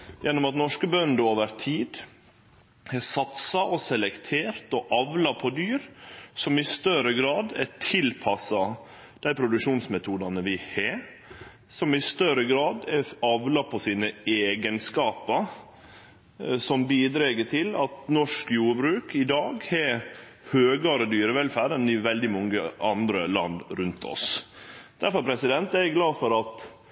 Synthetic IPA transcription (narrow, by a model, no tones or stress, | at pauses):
jɛnːɔmɑt̪nɔʂkəbœnd̪əoːʋəɾt̪ʰiːd̪ | hɛsɑt̪sɑɔsɛlɛkt̪ʰeːɾt̪ɔʔɑʋlɑpʰɔd̪yːɾsɔmɪst̪œɾəɡɾɑːd̪ɛt̪ʰɪlpʰɑsɑ | d̪̥æɪpʰɾʊd̪ʉkʃuːnsmɛt̪ʰuːd̪ɑnəʋɪhe | sɔmɪst̪œɾəɡɾɑːd̪ɛɑʋlɑpʰɔsiːnəeːɡənskɑːpəɾ | sɔmbiːd̪ɾeɡət̪ʰɪlɑt̪nɔʂkjuːɾbɾʉːkɪd̪ɑːɡhɛ | høːɡɑɾəd̪yːɾəʋɛlfæːɾɛnɪʋɛld̪ɪmɔŋːəʔɑnd̪ɾəlɑ̰nd̪ɾʉnt̪ʰɔ̰s | d̪̥æɾfɔɾpʰɾɛsɪd̪ɛnt̪ɛɾɛɡlɑːfɔɾɑt̪